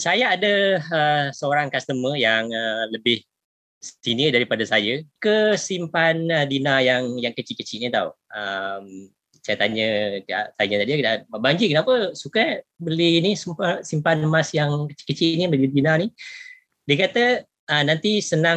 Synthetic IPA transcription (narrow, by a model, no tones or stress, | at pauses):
sajaadəəsəoɾaŋkast̪əmə̃jaŋələbɪh | st̪inidaɾipadasajəkəsimpanədinajaŋjaŋkət͡ʃiʔkət͡ʃiʔnit̪awʔəm | sajat̪aɲəa̰ʔt̪aɲət̪adikədaʔbaɲd͡ʒikənapəsukabəlinisəmpasimpanmasjaŋkət͡ʃi̥ʔkːət͡ʃiʔnibəlidinani | diəkat̪əː | nant̪isənã